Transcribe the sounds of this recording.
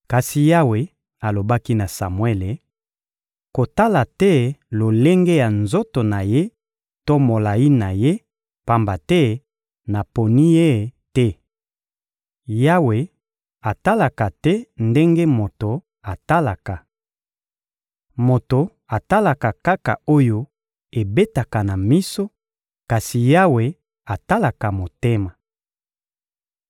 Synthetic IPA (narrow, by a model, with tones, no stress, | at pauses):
ka˨si˨ja˦we˨ | a˨lo˨ba˦ki˦na˨sa̰˨mwe˦le˨ | ko˨ta˦la˨tɛ˦lo˨le˦ŋɡe˦ja˨nzo˦to˨na˨je˦ | to˦mo˨la˨ji˦na˨je˦ | pa˦mba˨tɛ˦ | na˨po˨ni˦je˦˨tɛ˦ | ja˦we˨ | a˨ta˦la˨ka˨tɛ˦nde˦ŋɡe˦mo˨to˨ | a˨ta˦la˨ka˨ | mo˨to˨ | a˨ta˦la˨ka˨ka˦ka̰˨o˦jo˦ | e˨be˦ta˨ka˨na˨mi˦so˦ | ka˨si˨ja˦we˨ | a˨ta˦la˨ka˨mo˨te˦ma˨